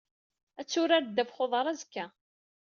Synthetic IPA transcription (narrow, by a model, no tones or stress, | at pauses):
æt͡sːʊɾaɾd̪ːæfχoðˤɑɾˤæzəkːæ